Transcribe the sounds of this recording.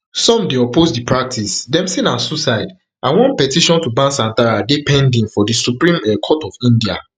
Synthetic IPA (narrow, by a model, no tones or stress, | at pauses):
sɔ̃mdeɔposdipɹak̚tʰisdɛ̃msinãnsusaɪd | ʔãnwɔ̃npɛtiʃɔ̃ntubãnsãntaɹadipɛ̃ndĩŋfɔdisupɹĩmɛkʰɔtɔfĩndia̰